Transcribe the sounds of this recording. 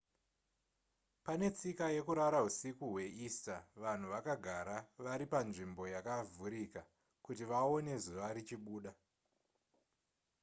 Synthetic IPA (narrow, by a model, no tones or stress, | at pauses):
pane̞t͡sikaje̞kuɾaɾaɦusikuɦwe̞ʔistaʋan̤uʋakaɡʱaɾaʋaɾipanʐimbo̞jakavʱuɾika | kutiʋao̞ne̞zuʋaɾit͡ʃiɓuːɗa